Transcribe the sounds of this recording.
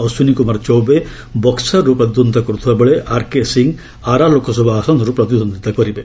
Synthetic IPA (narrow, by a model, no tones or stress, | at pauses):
ɐsunikumɐɾt͡ʃowbe | bɔksɐɾɾupɾɐt̪id̪ʱunt̪ɐkɾut̪ʰʋɐbɐɭeʔaːɾkesiŋɡ | aːɾaːlokʰɐs̬ubʱaːsɐnɾupɾɐt̪id̪ʱɔnd̪id̪ɐkɔɾibe